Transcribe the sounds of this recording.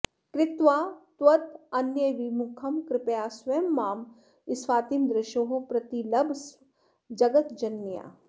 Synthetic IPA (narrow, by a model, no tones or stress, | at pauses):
kɾɪt̪ʋaːt̪wɐt̪ɐnjəʋimukʰɐmkɾɪpjaːsʋɐjɐmːaːm | ɪsʋaːt̪imd̪ɾɪʃoːɦopɾɐt̪ilɐbʱs | d͡ʒɐɡɐt̪d͡ʒɐnːija̰ː